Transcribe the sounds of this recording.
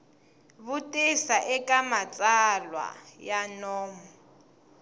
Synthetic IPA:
βʊtʼɪsaʔɛkʼamat͡sʼalwa̰janɔːmu

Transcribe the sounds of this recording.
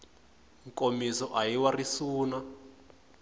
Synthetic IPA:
ŋkʼomisɔʔajiwarisuːna

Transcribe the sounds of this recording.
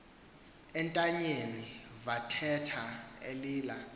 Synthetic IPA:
ɛntʼaɲenivatʰɛtʰaḛliːla

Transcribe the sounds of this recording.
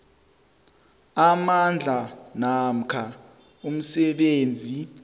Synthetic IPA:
amand͡ɮʱanam̩kʰa | um̩sɛɓeːnd͡zʱi

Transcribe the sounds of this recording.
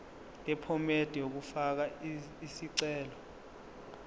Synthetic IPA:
lʼɛpʰɔmed̥ʱijok̬ufak̬a | isiǀɛːlɔ

